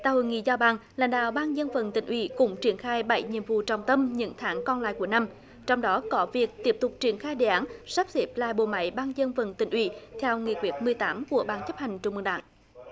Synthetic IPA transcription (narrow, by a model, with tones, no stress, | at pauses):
t̪a̰ː˧˨˩ho̰˧˨jŋḭ˧˨zaː˧wɓaː˨˩ŋlaː˧˥jŋ̟ɗa̰ː˧˨wɓaː˧nzə˧nfə̰˨˩nt̪ï˧˨˩ŋ̟ʔwḭ˧˩˦kʊ̰˧˥ŋ͡mt͡ɕi˧˩ənxaː˧jɓə˧˩jɲḭ˧˨əmvṵ˧˨t͡ɕɔ˨˩wŋ͡mt̪ə˧mɲɨ̰˧˥ŋt̪ʰaː˨˦ŋkɔ˧nla̰ː˧˨jku˧˩əna˧m | t͡ɕɔ˧wŋ͡mɗɔ˨˦kɔ˨˦vi˨˩ək̚t̪i˦˥əp̚t̪ʊ˨˩k͡p̚t͡ɕi˧˩ənxaː˧jɗḛ˧˨ʔaː˨˦nsaː˦˥p̚zi˦˥əp̚la̰ː˧˨jɓo̰˧˩ma̰˧˥jɓaː˧nzə˧nfə˨˩nt̪ï˧˩ŋ̟ʔwḭ˧˩t̪ʰɛ˧wŋḭ˨˩kwi˨˦˩ət̚mɨ˨˩əjt̪aː˨˦mku˧˩əɓaː˨˧˩nt͡ɕə˦˥p̚ha˨˩jŋ̟t͡ɕʊ˨˧˩ŋ͡mmɨ˨˩ŋɗa̰ː˧˩ŋ